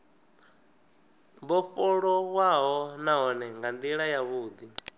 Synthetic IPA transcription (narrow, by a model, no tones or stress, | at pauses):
mbɔfɔɺɔwaɦɔnaɦɔnɛŋɡand̪iɺajaβuːd̪i